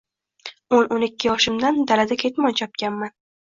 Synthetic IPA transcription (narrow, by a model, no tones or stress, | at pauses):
ononɪkʲːɪjɒʃɪmd̪and̪alad̪akʲʰe̞t̪mɒnt͡ʃʰɒp̚kʲanman